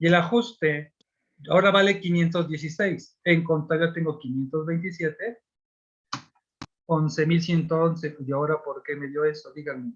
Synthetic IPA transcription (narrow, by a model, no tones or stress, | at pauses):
ie̞laxust̪e̞ | ao̞ɾaβale̞kinje̞nt̪o̞zdje̞sise̞js | eŋko̞nt̪aɾjat̪e̞ŋɡo̞kinje̞nt̪o̞zβe̞jnt̪̬isje̞t̪e̞ | onse̞mils̬je̞nt̪o̞onse̞ao̞ɾapo̞ɾke̞me̞ðjo̞e̞sodiɣame